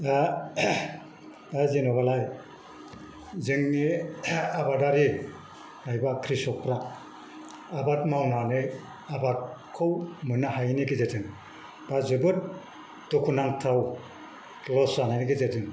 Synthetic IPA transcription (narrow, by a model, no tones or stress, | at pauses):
a | azinɔbalaj | zɯŋniabadaɾi | najbakʰɾisɔk̚pʰɾa | batmawnanɯ | abat̚kʰɯwmɯnahajniɡezetɯŋ | b̥azɯbɯt̚ | d̥ukʰunaŋtʰaw | lɔsanajniɡezetɯŋ